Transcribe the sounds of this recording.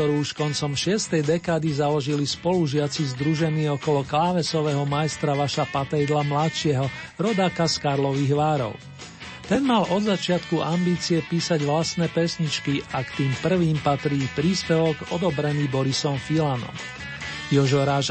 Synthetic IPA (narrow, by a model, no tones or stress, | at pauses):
kt̪ɔɾuːuʃkɔnt͡sɔmʃɪɛst̪ɛjd̪ɛkaːd̪izalɔʒilispɔluʒɪat͡sizd̪ɾuʒɛniːɔkɔlɔklaːʋɛsɔʋɛːɦɔmaɛst̪ɾaʋaʃapat̪ajd̪lamlatt͡ʃɪɛɦɔɾɔd̪aːkaskaɾlɔʋiɣʋaːɾɔ̰ʊ | t̪ɛnmalɔd̪zat͡ʃɪat̪kuʔambiːt͡siɛpiːsaɟʋlasnɛːpɛsɲit͡ʃkiʔakt̪iːmpr̩ʋiːmpat̪ɾiːpɾiːspɛʋɔɡɔd̪ɔbɾɛniːbɔɾisɔɱfilanɔ̰m | jɔʒɔɾaːʒ